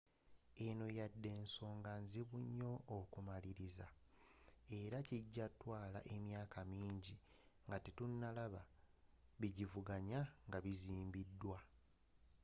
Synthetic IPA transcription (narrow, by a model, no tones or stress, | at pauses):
eno̞jadːe̞ːnso̞ːŋɡanziβuɲːo̞ʔːkumaliɾiza | e̞ɾaciɟːatːwaːlaʔe̞mjaːkʰamiːɲɟi | ŋɡatetunːalaβa | βiɟivuɡaɲaŋɡaβiziːmbidːwa